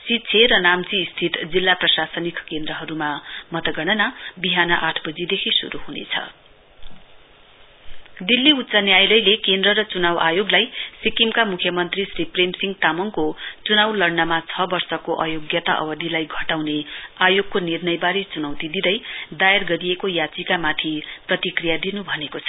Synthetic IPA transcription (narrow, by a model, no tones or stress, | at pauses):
sit̪ːt͡sʰeɾʌnamt͡siːst̪ʰit̪d͡zilːaprʌsasʌnikkend̪rʌɦʌɾumamʌt̪ʌɡʌɽʌnabiɦanʌʔaʈʰbʌd͡zid̪ekʰisṵɾuɦunḛt͡sʰʌ̰ | d̪ilːiut̪ːsʌnjajlʌjlekend̪rʌɾʌt͡sunawajoɡlajsikimkamukʰjʌmʌnt̪risripremsiŋt̪amʌŋkot͡sunawlʌrnʌmat͡sʰʌbʌrsʌkoʔʌjoɡjʌt̪a̰ʔʌ̰bʌd̪ilajɡʱʌʈawneajoɡ̚konirnʌjbaɾet͡sunawt̪id̪id̪ʌjd̪ajarɡʌɾijekojat͡sikamat̪ʰiprʌt̪ikrijad̪inubʱʌnekot͡sʰʌ̥